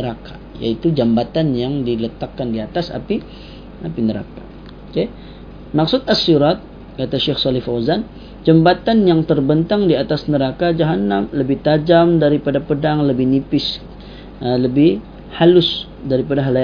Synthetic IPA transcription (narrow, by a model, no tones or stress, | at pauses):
əɾaka | ja̰it̪ud͡ʒambat̪anjaŋdilət̪akːandiat̪asa̰pi | apinəɾa̰ka | oke | maksʊt̪asiɾat̪̚ | kat̪aʃɛxsɔlɪfawzan | d͡ʒambat̪anjaŋt̪ərbənt̪aŋdiat̪asnəɾakad͡ʒaɦanamləbɪht̪ad͡ʒamdaɾipadapədaŋləbɪhnipɪs | ələbɪh | halʊs | daɾipadaɦala